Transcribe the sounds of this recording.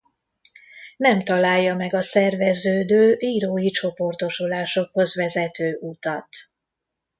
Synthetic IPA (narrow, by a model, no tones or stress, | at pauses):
nɛmt̪ɒlaːjːɒmɛɡɒsɛrvɛzøːd̪øːʔiːɾoːjit͡ʃo̞po̞rt̪o̞ʃulaːʃo̞kho̞zʋɛzɛt̪øːʔut̪ɒt̪